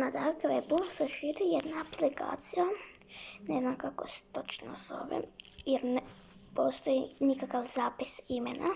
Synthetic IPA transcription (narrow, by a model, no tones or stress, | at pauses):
nad̪akʋebuseʃiːɾijed̪naːplika̰ːt̪sija | neznamkakose̥t̪ot͡ʃno̰so̰ʋḛjeɾnepo̞ːst̪ojinikakaʋzaːpisimena̰